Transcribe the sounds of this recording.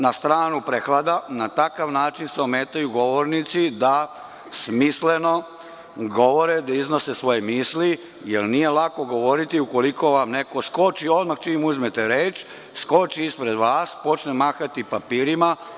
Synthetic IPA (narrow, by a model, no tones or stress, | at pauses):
nast̪ɾaːnupɾexlˠad̪anat̪akaʋnaːt͡ʃinseomeːt̪ajuɡo̞ʋoɾnit̪sid̪a | smisle̞no̞ | ɡo̞ʋo̞ɾed̪aizno̞sesʋo̞jemisli | jelnije̞lako̞ɡo̞ʋo̞ɾit̪iuko̞liko̞ʋamne̞ko̞sko̞t͡ʃio̞d̪maxt͡ʃiːmuzmet̪eɾeːt͡ʃ | sko̞t͡ʃiispɾe̞d̪ʋaːspo̞t͡ʃnemaːxat̪ipapiːɾima